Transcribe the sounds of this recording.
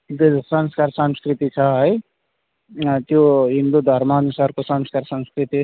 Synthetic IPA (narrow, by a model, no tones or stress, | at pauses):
d̪sʌnskarsʌmskrit̪it͡sʰʌɦʌj | t̪joɦind̪ud̪ʱʌrmaʌnusarkosʌmskarsʌnskrit̪i